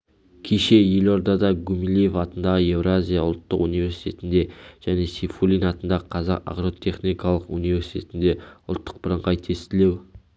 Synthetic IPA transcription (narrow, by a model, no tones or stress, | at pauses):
kʲʰeʃe̞je̞lo̞ɾd̪ɑd̪ɑɡumilʲijefɑt̪ənd̪ɑʁəe̞vɾazʲijɑʊ̰lˠt̪ːəqunijvʲe̞ɾsi̥t̪ʰʲet̪ɪnd̪e̞ʒ̥æne̞sifulʲˠinɑt̪ənd̪ɑʁəqʰɑzɑqa̰qɾo̞t̪ʲʰe̞χnikʰɑlˠəqunijve̞ɾsi̥t̪e̞t̪ɪnd̪e̞ʊlˠt̪ːəq̚b̥əɾəɴʁɑjt̪ʰe̞st̪ɪle̞w